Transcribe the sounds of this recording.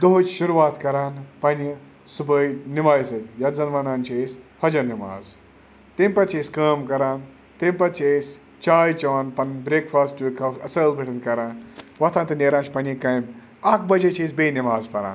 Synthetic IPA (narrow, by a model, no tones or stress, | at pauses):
d̪oɦut͡ʃʰʃuɾʋaːt̪kɐɾaːnpɐnji | subəjnimaːjsɐt̪ʲjɐt̪zɐnmaːnaːnt͡ʃʰiesʲfʰɐd͡ʒɐɾnima̰ːz | t̪imʲpɐt̪t͡ʃʰesʲkaːmkɐɾaːn | t̪emʲpɐt̪t͡ʃʰesʲ | t͡ʃaːjt͡ʃɐʋaːnpɐnbɾeːkfʰaːsʈʋikʰɐfɐsɐːlbʱiʈʰɐnkɐɾaːnʋɐt̪ʰaːnt̪ɨneːɾaːnt͡ʃʰʲpɐnʲikɐjm | ɐkbɐd͡ʒet͡ʃʰeːsʲbeːnimaːzpɐɾa̰ːn